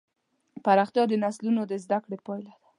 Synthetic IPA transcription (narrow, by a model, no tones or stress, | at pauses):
paɾɑxt̪jɑd̪ənaslunod̪əzd̪akɽepɑjlad̪̥ḁ